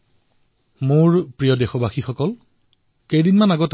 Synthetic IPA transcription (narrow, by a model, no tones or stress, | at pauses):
mʊɹpɹijɔdexɔbaxixɔkɔl | kejdinmanaɡɔt